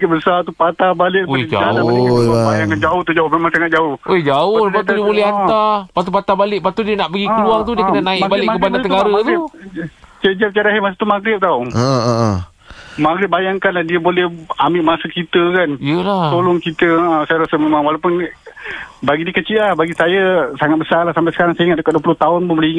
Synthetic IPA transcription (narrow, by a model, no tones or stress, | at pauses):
aɡɪbəsat̪upat̪abalɪʔd͡ʒa̰aaʊajaŋkand͡ʒaʊht̪ud͡ʒaʊhmemaŋsaŋat̪̚d͡ʒaʊhʔod͡ʒaʊlapat̪udiəbulɛɦat̪apat̪upat̪abalɪʔpat̪udiənaʔpəɡikəluaŋt̪udiəkənənaɪʔbalɪʔkkəpadat̪əɡaɾat̪ | t͡ʃəd͡ʒap̚t͡ʃaɾaɦimasət̪umaɡɾɪp̚t̪awəəə | maɡɾɪp̚bajaŋkanlahdiəbolɛhamɪʔmasəkit̪əkanijəlaolʊŋkit̪əəsajaɾasəmemãŋwalapʊn | baɡidiəkət͡ʃiʔlahbaɡisajasaŋat̪̚bəsalahsampasə̥kaɾaŋsaiŋat̪̚dəkat̪̚duəpulʊht̪aʊnpʊnbəliiŋa